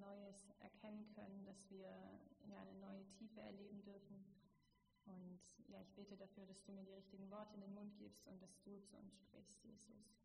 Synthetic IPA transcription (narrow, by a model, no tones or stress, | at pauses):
nɔʏəsʔɛ̰ɐkʰɛnənkʰœ̰nəndasv̥iːɐjaːnənɔʏətʰiːfəɛ̰ɐleːbm̩dʏɐfn̩ | ʔʊntjaːɪçb̥eːtədafyːɐɾasd̥uːmiːɐdiːʁ̞ɪçtɪɡŋ̩vɔɐtʰəɪndeːnmʊnt̚ɡ̥ḭːpstʊnt̚d̥asd̥uːt͡suʔʊ̰nsʃpʁ̥ɪ̰çstjḛːzʊ̰s